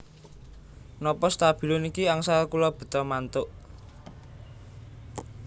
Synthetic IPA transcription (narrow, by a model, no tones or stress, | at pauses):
nɔpɔst̪ab̥i̤lʊnikiaŋsalkulɔb̥ə̤t̪ɔmant̪ʊʔ